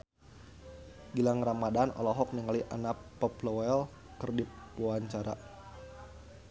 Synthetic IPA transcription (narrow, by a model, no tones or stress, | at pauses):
ɡilaŋɾamadanɔ̰lɔɦɔk̚niŋaliʔa̰napːɔplɔɛl | kərdipuaɲt͡ʃaɾa̰